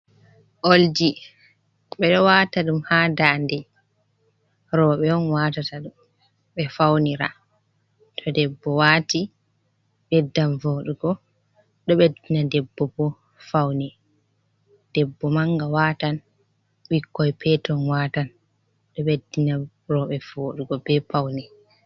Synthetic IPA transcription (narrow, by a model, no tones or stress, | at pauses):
ʔold͡ʒi | ɓɛɗɔwaːtaɗumhaːdaːndɛ | ɾɔɓɛɔnwaːtataɗum | ɓɛfawniɾa̰ | tʰɔdɛbːɔwaːti | ɓɛdːanvoɗuɡɔ | ɗɔɓedinadɛbːɔbɔ | fawni | d̥ɛbːɔmaŋɡawaːtan | wikːɔjpɛtɔnwatan | ɗɔɓɛdːina | rɔɓɛvoːɗuɡɔbɛpawni